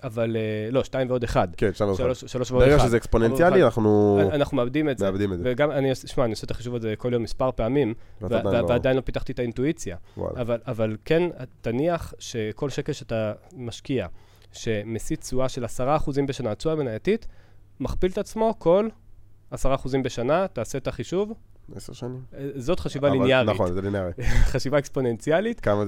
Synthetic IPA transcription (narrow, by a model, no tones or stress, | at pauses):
avalelo̞ʃtaimveo̞de̞χadkenʃtaiʃaloʃʃalo̞ʃveoeɡaʃezeeksponensjalianaχnuanaχnumeabd̪imed͡zmeabd̪imeveɡamaniosʃmaaniosetaχiʃuvalzeko̞ljo̞mːispaʁpe̞amimvavveadajinlo̞pit̪aχt̪ietaintuit͡sjawa̰lavalavalkentaniaχʃe̞ko̞lʃe̞kelʃatamaʃkia | ʃe̞mesit͡suaʃe̞lasaʁaːχuzimbe̞ʃanat͡suamenajatitmaχpiltat͡smo̞ko̞lasaʁaːχuzimbe̞ʃanataːsetaχiʃuv | eseʁʃanimzotχaʃivaliniaʁnizelinaʁiχaʃivaekspo̞ne̞nt͡sialitkama